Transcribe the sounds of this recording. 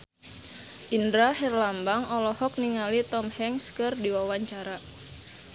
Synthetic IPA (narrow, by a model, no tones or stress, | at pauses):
ʔindɾahɛrlambaŋɔlɔhɔk̚niŋalit̪ɔmhɛŋskɨrdiwawaɲt͡ʃaɾa